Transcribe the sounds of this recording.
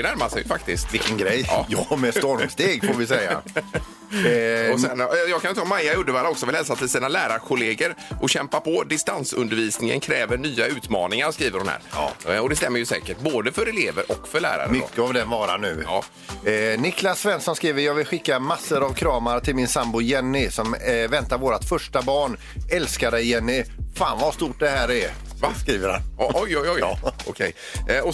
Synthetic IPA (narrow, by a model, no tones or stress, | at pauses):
ɛnæɾmasɛjɵfak̚t̪ɪskt̪ɪkːənɡɾɛjjɑ̰ːjmɛsɔɾmst̪eːɡfovɪsɛjːa̰ | ɔssɛnjɑɡkʰanjɵt̪ɑːmajːaɵd̪əvaːlaɔksɔvɪlhɛːsat̪ɪlsiːnalæːɾaɾkʰʊleːɡəɾʔɔɕɛmpapʰɔd̪ɪst̪ansɵnd̪əɾviːsnɪŋə̰nkʰɾɛːvəɳyːaʉ̟ːt̪mɑ̰ːnɪŋaɾɔskɾiːvəɾhʊnæ̰ːɾɔd̪ɛst̪ɛmːəɾjɵsɛ̰ːkəʈ̚boːd̪əfœɾɛleːvəɾʔɔkːfœɭæ̰ːɾa̰ɾəmʏ̰kːəavd̪ɛnvɑːɾa̰nːʉ̟ːjɑː | nɪklasːvɛnt̪sɔnskɾiːvəɾjɑːɡvɪlɧɪkːamasːəɾavkʰɾɑːmaɾt̪ʰɪlmɪnsambʊjɛnːɪsɔmvɛnt̪aɾvoːɾat̪fœʂʈabɑːɳ | ɛlskaɖɛjjɛnːɪfaːnvast̪uːʈ̚d̪ɛhæːɾɛɾ | vaskɾiːvəɾhanːɔjɔjɔjɔ̰kʰɛj | ɔ